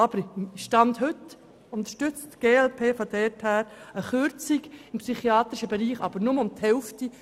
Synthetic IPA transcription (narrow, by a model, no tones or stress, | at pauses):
ɑb̥əɾʃtɑnt̪hʏt | ʊnt̪əʃtʏt͡stɡ̥eːɛlpʰeːfɔd̥̪ɛrthæːɾəχʏɾt͡siɡɪmpsyχiɑːt̪ɾiʃəbɛɾiːχɑ̰b̥əɾnʊmʊmt̪hɛlfti